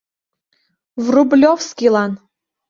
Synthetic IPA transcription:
vrublʲofskʲilˠɑn

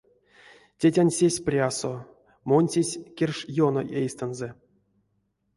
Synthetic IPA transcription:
tʲetʲanʲsʲesʲprʲaso | monʲtʲesʲkʲerʲʂjono̰ʔejst̪anzɛ

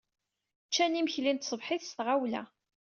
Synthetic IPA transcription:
t͡ʃːænimçlint̪sˤəbħɪθst̪ʁawlæ̰

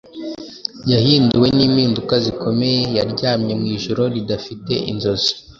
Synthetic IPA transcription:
jahiːnduwe̞niːmiːndukaziko̞me̞jejaɾɟaːmɲe̞mŋiːʒoɾo̞ɾidafite̞ʔḭnzo̞zi̥

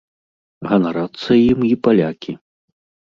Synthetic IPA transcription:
ɣɐnɐɾat̪sɐjimipalʲakʲi

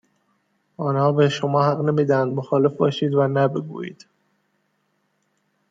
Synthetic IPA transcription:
ʔɒːnhɒːbeʃo̞mɒːhæɣne̞miːd̪æænd̪moxɒːle̞fbɒːʃiːd̪vænæbe̞ɡṵːjḭːd̪̥

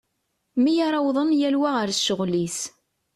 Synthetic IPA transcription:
mijaɾˤɑwðˤənjælwæʁəɾʃəʁlis

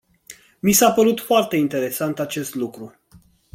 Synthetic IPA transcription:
misapəɾut̪foart̪e̞int̪e̞ɾe̞sant̪at͡ʃe̞st̪lukɾu

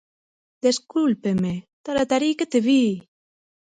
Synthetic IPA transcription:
d̪eskulpemet̪aɾat̪aɾiket̪eβi

